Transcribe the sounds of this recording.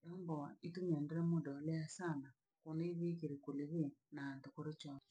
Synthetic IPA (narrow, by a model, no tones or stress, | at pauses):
jɔːmbɔituɲɛːndeɾemodɔleasana | koneiβikiɾikuleβenaːntokoɾet͡ʃɔ